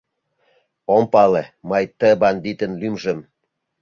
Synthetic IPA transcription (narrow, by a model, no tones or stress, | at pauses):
ompɑlemɤjt̪ə̆bɑnd̪it̪ə̆nlymʒə̆m